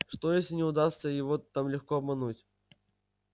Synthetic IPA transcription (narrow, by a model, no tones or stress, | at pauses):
ʂt̪o̞jesʲlʲɪnʲɪʊd̪ast̪səjɪvot̪amlʲɪxkoɐbmɐnutʲ